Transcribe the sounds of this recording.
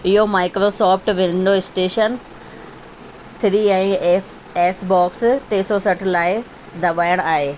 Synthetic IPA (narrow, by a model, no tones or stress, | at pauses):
ɪɦomaːɪkɾoːsɔːpʰʈʋɪ̃n̆d̪oɪsʈeːʃən | t̪ʰɪɾiɛ̃ː | eːsbɔːksʈeːsosɐʈʰlaːɪ | d̪ʱɐʋaːjəɽ̃aːɦeː